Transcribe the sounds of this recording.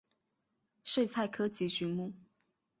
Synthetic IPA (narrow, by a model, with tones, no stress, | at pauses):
ʂwe˥˧ɪt͡sʰa˥˩ɪkʰɤ˥t͡ɕʰi˧˥t͡ɕy˧˥mu˥˩